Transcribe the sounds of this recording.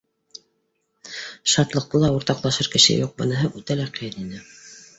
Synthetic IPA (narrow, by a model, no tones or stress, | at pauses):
ʃɑt̪lˠɤ̆q̚t̪ɤlˠɑuɾt̪ɑqlˠɑʃɤɾkɘ̆ʃɘ̰juq̚bɤ̆nɤ̆ɦɤʔʉt̪ælæqɤ̆jɤninɘ